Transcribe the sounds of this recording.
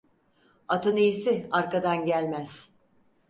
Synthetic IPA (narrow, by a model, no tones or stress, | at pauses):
at̪ʰɯnijisɪaɾkad̪anɟælʲmæz̥